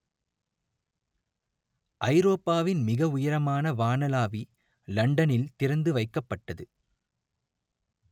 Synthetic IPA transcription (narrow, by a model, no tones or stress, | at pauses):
ʔɐɪɾoːpːaːʋɪnmɪɣɐʊjɐɾɐmaːnɐʋaːnɐlaːʋi | lɐɳɖɐnɪlt̪ɪɾɐnd̪ɯʋɐɪkːɐpːɐʈːɐðɯ